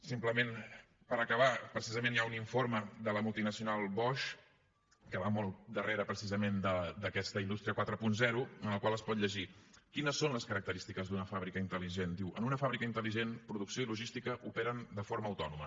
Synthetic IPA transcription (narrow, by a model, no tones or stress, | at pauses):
simpləmen | pəɾəkəβapɾəsizəmenjauniɱfoɾməd̪ələmulˠt̪inəsiunalˠbɔʃ | kəβamɔlˠd̪əreɾəpɾəsizəmend̪əd̪əkɛst̪əind̪ust̪ɾiəkwat̪ɾəpunzɛɾuənlˠkwalˠəspɔt̪ʎəʒikinəsːonləskəɾək̚t̪əɾist̪ikəzd̪unəfaβɾikəint̪əliʒend̪iwʔənunəfaβɾikəint̪əliʒenpɾuðuksijoiluʒist̪ikəʔupeɾənd̪əfoɾməːwt̪ɔnumə